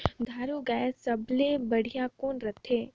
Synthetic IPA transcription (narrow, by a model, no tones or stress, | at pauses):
d̪ʱaːɾuɡaːsɐblebɐɽ̤ijakoːnɾɐt̪ʰːeː